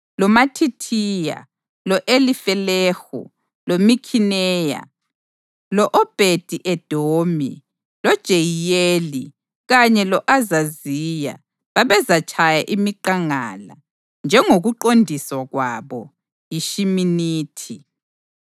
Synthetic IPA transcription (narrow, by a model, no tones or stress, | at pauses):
lɔmatʰitʰiːja̰ | lɔʔelifɛlɛːxṵ | lomikʰinɛːja̰ | lɔʔɔb̥ʱed̥ʱiʔɛd̥ʱomḭ | lɔd̥ʒ̥ʱejijeli | ɣaɲɛlɔʔazaziːja̰ | βaβɛzat͡ʃʼʰajaʔimiǃaŋaːla̰ | nd͡ʒʱɛŋoɣuǃondʱiswaɣwaβɔ | jiʃiminiːtʰi